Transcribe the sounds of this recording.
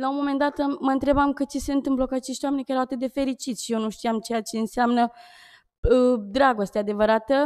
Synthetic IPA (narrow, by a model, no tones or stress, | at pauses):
launmo̞me̞nd̪at̪məɨnt̪ɾe̞bamkɨt͡ʃeseɨnt̪ɨnbplokuat͡ʃe̞ʃt̪jwame̞nʲkaeɾawat̪ɨt̪̚d̪e̞fe̞ɾit͡ʃit̪sʲʃijenuʃt̪ijamt͡ʃejat͡ʃe̞ɨnseamnə | əd̪ɾaɡo̞st̪ead̪e̞vəɾat̪ə